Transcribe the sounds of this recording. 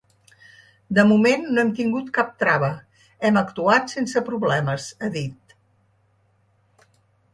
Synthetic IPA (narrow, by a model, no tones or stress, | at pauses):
d̪əmumenːoɛmt̪iŋɡut̪kap̚t̪ɾaβə | ɛməkt̪uat̪sensəpɾuβlɛməzəðit̪̚